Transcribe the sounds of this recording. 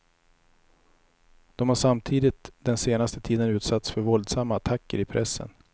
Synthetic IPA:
d̪̥ɔmhaʂamt̪ʰiːd̪ɪt̪d̪ɛnseːnast̪ət̪ʰiːd̪ənʉ̟ːt̪sat̪sfœɾvɔld̪samːaːt̪ʰakːəɾɪpʰɾɛsːə̰n

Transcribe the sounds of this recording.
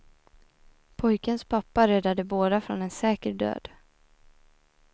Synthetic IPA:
pʰɔjkənspʰapːaɾɛd̪ːad̪əboːd̪afɾɔnɛnsɛːkəɾɖø̰ːd̪̥

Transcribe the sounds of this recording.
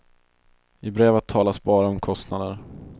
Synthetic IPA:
ɪbɾeːvət̪ʰːɑːlasbɑːɾaɔmkʰɔst̪nad̪əɾ

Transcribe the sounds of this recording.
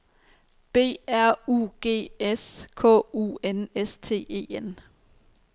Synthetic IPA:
b̥e̝̰ːæɐ̰uːɡ̥e̝̰ːeskʰɔ̰̽ːṵːenest͡sʰe̝̰ːe̝̰ːen

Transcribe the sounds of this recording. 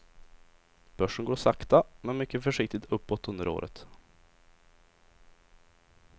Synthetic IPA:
b̥œʂəɳɡoːɾsakt̪amɛnmʏkːəfœʂɪk̚t̪ɪt̪ʰɵpːɔt̪ːɵnd̪əɾo̰ːɾʔə̰t̪

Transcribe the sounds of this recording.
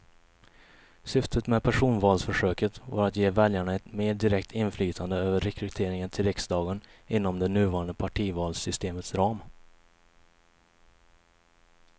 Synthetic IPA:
sʏft̪ʰət̪mɛpʰæʂuːnvɑːlsfœʂøːkət̪va̰ɾat̪jeːvɛljaɳaɛt̪meːɖɪɾɛk̚t̪ʰɪnflyːt̪ʰand̪əøːvəɾːɛkʰɾɵt̪ʰeːɾɪŋənt̪ʰɪlɾɪksd̪ɑːɡənɪnːɔmd̪ɛnʉ̟ːvɑːɾand̪əpʰaʈʰiːvɑːlsʏst̪eːmət̪sɾɑːm

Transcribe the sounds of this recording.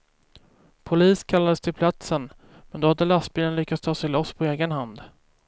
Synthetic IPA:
pʰʊliːskʰalːad̪əst̪ʰɪlpʰlat̪sən | mɛnd̪ɔhad̪ːəlast̪̚byːlənlʏkːat̪st̪ʰɑːsɛɪlɔsːpʰɔeːɡənɦand̪

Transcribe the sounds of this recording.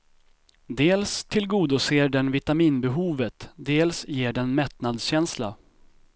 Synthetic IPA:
d̪eːlst̪ʰɪlɡuːd̪ʊseːɖɛnvɪt̪amiːnbɛɦuːvət̪d̪eːlsjeːɖɛnmɛt̪nad̪sɕɛnsla

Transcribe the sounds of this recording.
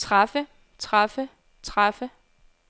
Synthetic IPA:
ʁɑfə | t͡sʰʁafə | t͡sʰʁɑfə

